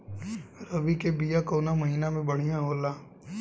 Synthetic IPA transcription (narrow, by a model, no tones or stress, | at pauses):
ɾɐʋikebijakoːnamɐɦiːnamẽbɐɽ̤ijãɦoːlaː